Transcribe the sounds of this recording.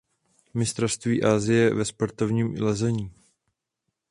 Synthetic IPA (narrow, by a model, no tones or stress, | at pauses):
mɪst̪ɾofst̪viːʔaːzɪjɛvɛspoɾt̪o̞vɲiːmlɛzɛɲiː